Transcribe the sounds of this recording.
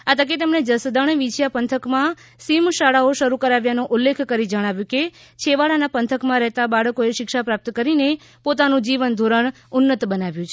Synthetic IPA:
at̪ʰək̬et̪emɳed͡ʒəsd̪əɳ̃ʋid͡ʒjapənt̪ʰəkmã | simʃaɭaoʃəɾukəɾaʋjanõʔulːekʰkəɾid͡ʒəɽ̃aʋjũke | t͡ʃʰeʋaɭanapənt̪ʰəkmãɾɛɦt̪abaɭəkoeʃɪkʃapɾap̚t̪kəɾine | pot̪anũd͡ʒiʋənd̪ʱoɾəɳ | ʊnːət̪bənaʋjũt͡ʃʰe

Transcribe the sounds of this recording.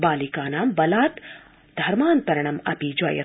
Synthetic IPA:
baːlikaːnaːmbɐlaːt̪ | d̪ʱɐɾmaːnt̪ɐɾɐɳɐmɐ̰pid͡ʒɐ̰jɐ̰

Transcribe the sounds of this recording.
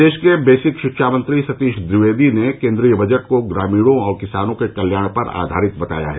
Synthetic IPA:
eːʃkebeːsɪkʃɪkʃʰaːmə̃nt̪ɾisɐt̪iːʃd̪ɾɪʋeːd̪inekẽːnd̪ɾiːjəbʱɐd͡ʒəʈkoɡɾaːmiːɽõɔːɾkɪsaːnõkekɐljaːɽ̃pɐɾa̰ːd̪ʱa̰ːɾɪt̪bɐt̪a̰ːja̰ɦɛ

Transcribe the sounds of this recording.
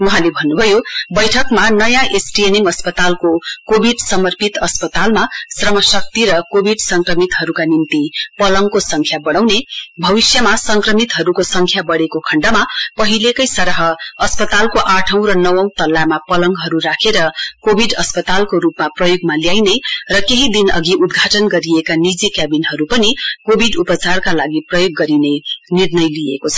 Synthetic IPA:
wuɦãlebʱʌnːubʱʌjobʌjʈʰʌkmanʌjãʔesʈienimʌspʌt̪alkokobʱiɖsʌmʌrpit̪ʌspʌt̪almasrʌmʌsʌk̚t̪iɾʌkobʱiɖsʌŋkrʌmit̪ɦʌɾukanint̪ipʌlʌŋkosʌŋkʰjabʌɽ̃awnebʱʌbisjʌmasʌŋkrʌmit̪ɦʌɾukosʌŋkʰjabʌɽekokʰʌɳɖamapʌɦilekʌjsʌɾʌɦʌːspʌt̪alkoʔaʈʰʌ̃w̃ɾʌnʌwʌ̃w̃t̪ʌlːamapʌlʌŋɡɦʌɾuɾakʰeɾʌkobʱiɖʌspʌt̪alkoɾupmaprʌjoɡmaljajnerʌkeɦid̪inʌ̰ɡiʔud̪ɡʱaʈʌnɡʌɾiekanid͡zikabinɦʌɾupʌnikobʱiɖupʌt͡sarkalaɡiprʌjoɡːʌɾinenirnʌjliekot͡sʰʌ̥

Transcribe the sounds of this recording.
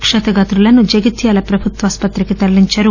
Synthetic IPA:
kʂɐt̪ɐɡɐt̪ɾulɐnːud͡ʒɐɡit̪jaːlɐpɾɐbʱut̪ʋaːspɐt̪ɾikit̪ɐɾliɲt͡ʃɐɾu

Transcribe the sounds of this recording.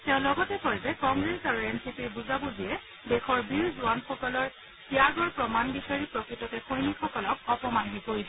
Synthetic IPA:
tɛʊ̃lɔɡɔtɛkɔɹzɛkɔŋɡɹesaɹuɛnsipiɹbuzabudiɛ | dexɔɹbiɹzuanxɔkɔlɔɹ | siaɡɔɹpɹɔmanbisaɹipɹokɹitɔkɛxojnixɔkɔlɔk̚ɔpɔmaɦinikoɹilɛ

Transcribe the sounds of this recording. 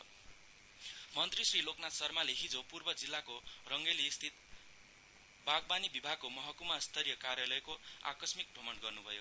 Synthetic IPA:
mʌnt̪risriloknat̪sʌrmaleɦid͡zopurbʌd͡zilːakorʌŋɡeliːst̪ʰit̪ | baɡ̚banibibʱaɡ̚komʌɦʌkumast̪ʰʌɾijʌkaɾjalʌjkoa̰kʌsmik̚ɖʱomʌɳɖɡʌrnubʱʌjo

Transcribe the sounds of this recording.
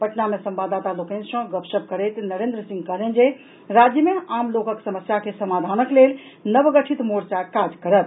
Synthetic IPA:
pəʈnamesəmbad̪at̪alokə̃nsə̃ɡəpsəb̚kəɾɛt̪nəɾend̪ɾəsĩŋɡkəɦlɛnd͡ʒe | ɾad͡ʒjəmeamlokəksəməsjakesəmad̪ʱanəklel | nəbəɡəʈʰit̪moɾt͡ʃakad͡ʒkəɾət̪̚

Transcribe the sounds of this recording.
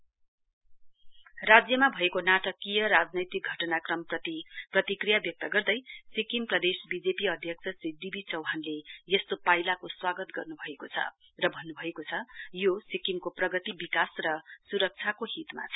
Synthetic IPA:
rad͡zjʌmabʱʌekonaʈʌkijʌɾad͡znʌjt̪ik̚ɡʱʌʈʌnakrʌmpʌt̪iprʌt̪ikrijabjʌk̚t̪ʌɡʌrd̪ʌjsikimprʌd̪esbid͡zepiʌd̪ʱjʌk̚t͡sʰʌsrid̪ibʱit͡sʌwɦanlejʌst̪opajlakoswaɡʌt̪ɡʌrnubʱʌekot͡sʰʌ̰ | rʌbʱʌnːubʱʌekot͡sʰʌjosikiŋkoprʌɡʌt̪ibikasrʌsuɾʌk̚t͡sʰakoɦit̪ma̰t͡sʰʌ

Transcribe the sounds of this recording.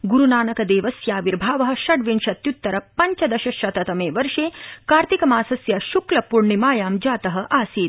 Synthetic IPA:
ɡuɾunaːnɐkɐd̪eːʋɐsjaːʋiɾbʱaːʋɐɦɐ̆ʃɐɽʋinʃɐt̪jut̪ːɐɾɐpɐɲt͡ʃɐd̪ɐʃɐʃɐt̪ɐt̪ɐmeːʋɐɾʂeːkaːɾt̪ikɐmaːsɐsjɐʃuklɐpuɾɳimaːjaːmd͡ʒaːt̪ɐɦɐ̆ʔaːsiːt̪

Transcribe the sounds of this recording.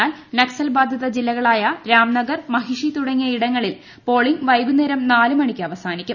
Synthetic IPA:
aːlnɐksɐlbaːd̪ʱjɐðɐd͡ʑilːɐɣɐɭaːjɐɾaːmnɐɡɐrmɐɦiʂit̪uɽɐŋːijɐiɽɐŋːɐɭil | po̞ːɭiŋɡʋɐjɡunːeːɾɐmnaːlumɐɳikʲːɨɐʋɐsaːnikʲːum

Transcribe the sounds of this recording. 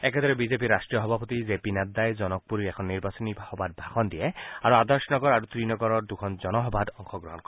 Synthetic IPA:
ɛked̪ɔɾɛbizep̬iɾːasʈɹijɔɦɔbʱapɔt̪izepinadd̪ːajzɔnɔk̚puɾiɾɛkʰɔnːiɾbasɔnibhɔbad̪̚bʱakʰɔnd̪iɛaɹuad̪ɔɹsɔnɔɡɔɾaɾut̪ɾinɔɡɔɾɔɹd̪ukʰɔnzɔnɔɦɔbad̪ɔŋxɔɡɾɔɦɔnkɔɛ

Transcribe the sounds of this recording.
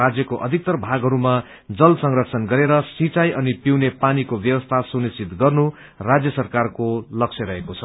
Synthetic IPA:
ad͡zjʌkoʔʌd̪ʱik̚t̪ʌrbʱaɡɦʌɾuma | d͡zʌlsʌŋrʌk̚t͡sʰʌnɡʌɾeɾʌsit͡sajʔʌnipiwnepanikobjʌwʌst̪ʰasunisit̪ɡʌrnu | rad͡zjʌsʌrkarkolʌk̚sʰjʌɾʌɦekot͡sʰʌ

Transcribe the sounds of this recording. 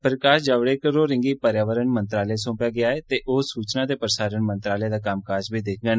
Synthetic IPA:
pəɾəkaːʃd͡ʒaːʋɽeːkəɾoːɾɪ̃ŋɡiːpəɾjaːʋəɾənmənt̪ɾaːleːsõːpjaːɡɪaːeːt̪eːʔoːsuːt͡ʃnaːt̪eːpɾəsaːɾənmənt̪ɾaːleːd̪aːkamkaːd͡ʒbiːd̪ekʰɡəːn

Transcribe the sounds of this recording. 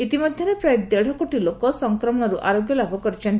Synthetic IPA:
it̪imɔd̪ʱjɔɾepɾajd̪eɽ̤ɔkoʈilokɔsɔŋkɾɔmɔɽ̃ɔɾuʔaɾoɡjɔlabʱɔkɔɾit͡ʃʰɔnt̪

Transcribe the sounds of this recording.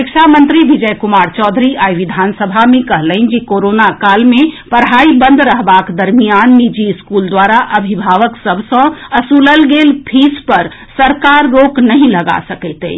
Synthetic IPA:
ɪkʃʰamə̃nt̪ɾibid͡ʒəjkʊmaːɾt͡ʃɔːd̪ʱɾiaːjʋid̪ʱaːnsəbʱamẽkəɦləɪnd͡ʒikoːɾonakaːlmẽpəɾɦaːibə̃nd̪ʱɾəɦbaːkd̪əɾmijaːnːid͡ʒiːskuːld̪waːɾaʔəbʱibʱaːʋəksəbʱsə̃əsuːləlɡeːlpʰispəɾsəɾkaːɾːoːknəɦĩləɡa̰səkɛt̪ḛ

